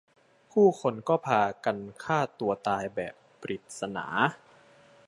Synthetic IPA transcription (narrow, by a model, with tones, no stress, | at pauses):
pʰuː˥˩kʰo˧nkɔː˥˩pʰaː˧ka˧nkʰaː˥˩t̪u˧ɐt̪aː˧jbɛ̰ː˨˩pːɾi˨˩t̪̚sa˧na̰ː˩˦